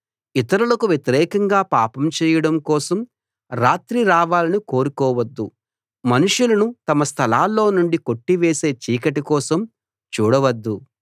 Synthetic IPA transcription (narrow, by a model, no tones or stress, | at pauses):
it̪ɐɾulɐkuʋjet̪iɾɛːkɐŋɡaːpaːpɐmt͡ʃɛːjɐɽɐmkɔːsɐm | ɾaːt̪ɾiɾaːʋaːlɐniko̞ːɾukɔːʋɐd̪ːu | mɐnuʂjulɐnut̪ɐmɐst̪ʰɐlaːlːo̞ːnuɳɖiko̞ʈːiʋeːse̞ːt͡ʃiːkɐʈikɔːsɐm | t͡ʃuːɽɐʋɐd̪ːu